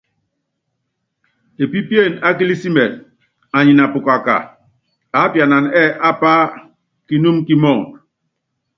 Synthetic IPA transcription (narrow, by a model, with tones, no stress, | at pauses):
e˨pi˦pje˦˨na˦k̬i˦li˦si˦mɛ˨n | a˨ɲi˨na˨pu˨ka˨ka̰˨ | a˨˦pja˨na˨nɛ˦˨ʔa˦pa˦ | ki˦nu˦mki˦mɔ˦˨ŋ